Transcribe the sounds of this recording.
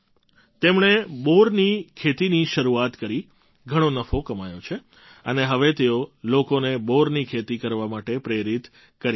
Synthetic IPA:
t̪emɳeboɾnikʰet̪iniʃəɾuat̪kəɾi | ɡʱəɽ̃õnəfokəmajot͡ʃʰe | əneɦəʋet̪eolokoneboɾnikʰet̪ikəɾʋamaʈepɾeɾit̪ | kəɾ

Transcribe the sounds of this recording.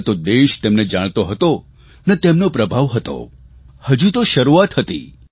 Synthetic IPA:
t̪od̪eʃt̪emned͡ʒaɽ̃t̪oɦət̪o | nət̪emnopɾəbʱaʋɦət̪o̰ | həd͡ʒut̪oʃəɾuat̪ɦət̪ḭ

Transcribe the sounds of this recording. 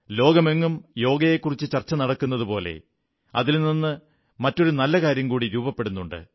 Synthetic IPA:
lo̞ːɡɐme̞ŋːumjo̞ːɡɐjekːurit͡ɕːɨt͡ɕɐrt͡ɕːɐnɐɽɐkːunːɐðupo̞ːle̞̰ | ɐ̰ðilninːɨ | mɐtːo̞ɾunɐlːɐkaːɾjɐmkuːɽiɾuːbɐpːe̞ɽunːuɳɖɨ̰

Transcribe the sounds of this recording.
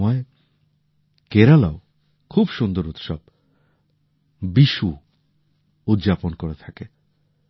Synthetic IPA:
ɔe | keɾalao | kʰubʃund̪oɾut̪ʃɔb̚ | biʃu | ut̪d͡ʑaponkoɾet̪ʰake

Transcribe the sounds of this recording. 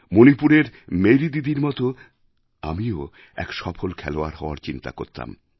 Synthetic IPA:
monipuɾeɾmejɾid̪id̪iɾmɔt̪o | amio | ɛ̰kʃɔpʰolkʰɛloaɾɦɔoaɾt͡ɕint̪a̰ko̰ɾt̪a̰m

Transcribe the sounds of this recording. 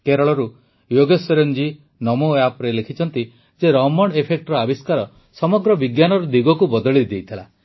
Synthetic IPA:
keɾɔɭɔɾu | joɡɔseɾɔnd͡ʒi | nɔmoapɾelekʰit͡ʃʰɔnt̪i | d͡ʒeɾɔmɔɽepʰek̚ʈɔɾɔabiskaɾɔ | sɔmɔɡɾɔbiɡjanɔɾɔd̪iɡɔkubɔd̪ɔɭid̪ejt̪ʰila

